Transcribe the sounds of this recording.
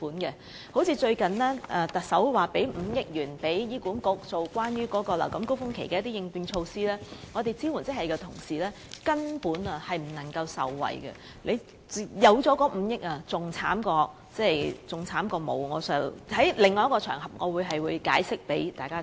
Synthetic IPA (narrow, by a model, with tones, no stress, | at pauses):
puː˨˥nkɛ˧ | ho˨˥wt͡sʰiː˧t͡ʃɵ˧ɥkɐ˨nlɛː˥ʔɛː˧t̪ɐ˨k̚sɐ˨˥wwaː˨pe˨˥jm̩˨˧jɪ˥k̚jyː˨˩npe˨˥jjiː˥kuː˨˥nkʊ˨˥k̚t͡so˧wkʷwaː˥njyː˥kɔː˨˥kɔː˧la̰˨˩kɐ˨˦mko˥wfʊ˥ŋkʰe˨˩jkɛ˧jɐ˥t̪iː˥ɪ˧ŋpyː˧nt͡ʃʰo˧wsiː˥lɛː˥ŋɔː˨˧t̪e˨jt͡siː˥wu˨˩nt͡sɪ˥hɦɐ˨˩jkɛ˧t̪ʰʊ˨˩ŋsiː˨lɛː˥ | kɐ˥npuː˨˥nɐ˨hɐ˨jm̩˨˩nɐ˨˩ŋkɐ˧wsɐ̰˨wːɐ̰˨˩jɡɛ̰˧ | lʔe˨˧j | jɐ˨˧wt͡sɔː˨˥kɔː˨˧˥m̩˨˧jɪ˥k̚aː˨t͡sʊ˨ŋt͡sʰaː˨˥mkɔː˧ | t͡sɛː˥˩jt͡sʊ˨˩ŋt͡sʰaː˨˥mkɔː˧mo̰˨˧wŋɔː˨˧sœː˨˥whɐ˨˥jlɪ˨ŋːɔː˧jɐ˥kɔ˧t͡ʃʰœː˨˩ŋɦɐ˨p̚ŋɔː˨˧wuː˨˧jɦɐ˨jwuː˨˧jkaː˨˥jsɪ˥k̚pe˨˥jt̪aː˨jkaː˥